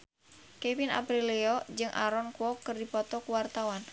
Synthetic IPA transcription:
kɛvina̰pɾiliɔd͡ʒɨŋʔa̰ɾɔnkuwɔkɨrdipɔt̪ɔkuwart̪awan

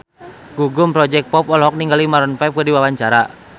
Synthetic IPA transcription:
ɡ̥uɡʊmpɾɔd͡ʒɛk̚pɔpɔlɦɔk̚niŋɡalimaɾɔnfap̚kədiwawaɲt͡ʃaɾa

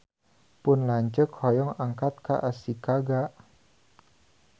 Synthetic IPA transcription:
pʊnlaɲt͡ʃəkhɔjɔŋaŋkat̪̚ka̰ʔasikaɡaʔ

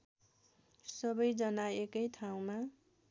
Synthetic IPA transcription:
sʌbʌjd͡zʌnaekʌjt̪ʰaw̃ma

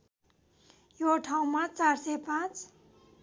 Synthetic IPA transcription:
joʈʰaw̃mat͡sarsepãt͡s

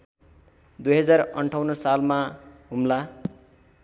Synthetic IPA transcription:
d̪ujɦʌd͡zarʌɳʈʰawnʌsalmaɦumla

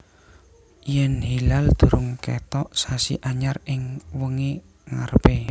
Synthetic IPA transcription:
jɛnhilald̪̥ṳɾʊŋkḛt̪ɔʔsasḭʔaɲarɪŋwəŋe | ŋa̰rpe

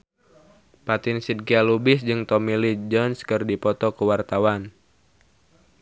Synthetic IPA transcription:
pat̪ɪnsid̚kialubɪsd͡ʒɨŋt̪ɔmilid͡ʒɔnskɨrdipɔt̪ɔkəwart̪awan

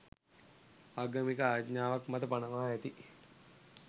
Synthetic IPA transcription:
aɡəmikəaːjt̪ɲaːʋakmat̪əpanəʋaɦaɛt̪i

